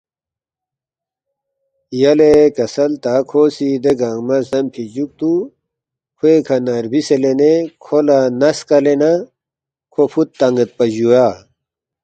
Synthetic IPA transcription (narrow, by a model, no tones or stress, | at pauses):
jɐlekɐsɐlt̪akʰosid̪eɡɐŋɡmɐsd̪ɐmpʰid͡ʑuk̚t̪u | kʰuekʰɐnɐɾbiselenekʰolanɐskɐlena | kʰopʰut̪ːɐŋɡɐt̪̚pɐʑua